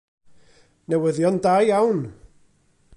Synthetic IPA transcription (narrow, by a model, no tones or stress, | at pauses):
nɛwəðjɔndajawn